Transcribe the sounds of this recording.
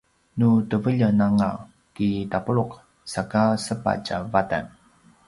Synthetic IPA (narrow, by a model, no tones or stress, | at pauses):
nutəvəʎənaŋa | kitapuɭuq̚ | sakasəpa̰t͡ʃavata̰n